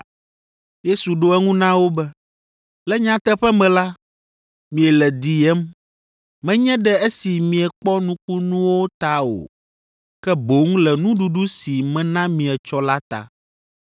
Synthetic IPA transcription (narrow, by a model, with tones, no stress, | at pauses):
je˦su˨ɖo˦ɛ˦ŋũ˦nã˦wo˦bɛ˦ | lɛ˦ɲã˦t̪ɛ˦ɸɛ˦mɛ̃˨la˦ | mĩ˨ɛ˨lɛ˨d̪i˨ɛ˦m | mɛ̃˦ɲɛ̃˦ɖɛ˦e˦si˨mĩ˨ɛ˨k͡pɔ˦nũ˦k͡pu˦nũ˦wo˦t̪a˦o̰˨ | kɛ˦bo˨˦ŋ˦lɛ˨nũ˦ɖu˨ɖu˦si˨mɛ̃˦nã˦mĩ˨ɛ˨t͡ʃɔ˦la˦t̪a̰˨